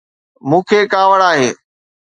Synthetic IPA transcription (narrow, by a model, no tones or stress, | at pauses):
mũːkʰeːkaːʋəɽaːɦeː